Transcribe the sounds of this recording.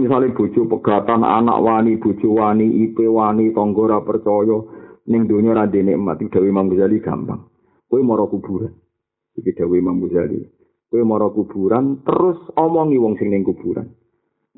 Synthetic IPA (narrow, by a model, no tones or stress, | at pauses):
misalɪb̥o̤d̥t͡ʃopəɡ̥a̤t̪ana̰na̰ʔwanib̥o̤d̥t͡ʃowaniʔipewanit̪ɔŋɡɔɾapərt͡ʃɔjɔnɪŋd̪o̤ɲɔɾand̪eneəma̰t̪̚id̥a̤wemamusaliɡ̥a̤̰mpa̰ŋ | kowemɔɾɔkub̥ṳɾan | ikiɖ̪̥a̤wemambusalḭ | koemɔɾɔkub̥ṳɾant̪əɾʊsɔmɔŋiwɔŋsɪŋnɪŋkub̥uɾa̰n